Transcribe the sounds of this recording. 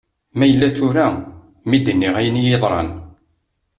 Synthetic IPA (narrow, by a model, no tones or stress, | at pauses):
mæjəlːæt͡sːʊɾæ | mid̪ənːiʁæjənjeðˤɾˤɑ̰n